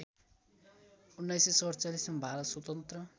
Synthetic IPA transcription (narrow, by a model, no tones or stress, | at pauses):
unːajsesʌɾt͡salismabʱaɾʌt̪swʌt̪ʌnt̪rʌ